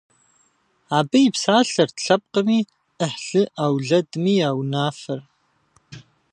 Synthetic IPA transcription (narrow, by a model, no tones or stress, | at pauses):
aːbɐjɪpsaːɬɐrtɬɐp̚qəmiː | əħɬɨʔaːwɮɐdmiːaːwnaːfɐr